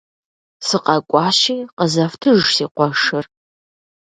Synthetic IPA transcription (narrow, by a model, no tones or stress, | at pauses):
sɨqʼɐkʷʼɑːʃiːqəzɐftʰɨʒsiːqʷɔʂɨr